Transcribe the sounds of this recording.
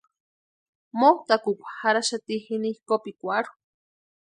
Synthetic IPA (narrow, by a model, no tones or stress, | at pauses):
mot̪akukʷḁhaɾaʃat̪ihinihkopikʷaɾu̥